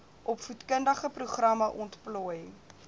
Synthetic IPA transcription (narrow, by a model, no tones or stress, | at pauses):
ʔɔpfutkəndəχəpruχrɐməʔɔntplɔj